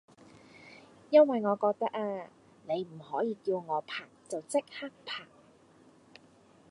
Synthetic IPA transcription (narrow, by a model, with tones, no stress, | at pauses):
jɐ˥nwɐ˨jŋɔː˨˧kɔː˧k̚t̪ɐ˥k̚aː˧ | ne˨˧jm̩˨˩hɔː˨˥jiː˨˧kiː˧wŋɔː˨˧pʰaː˨˩k̚t͡sɐ˨wt͡sɪ˥k̚haː˥k̚pʰaː˨˩k̚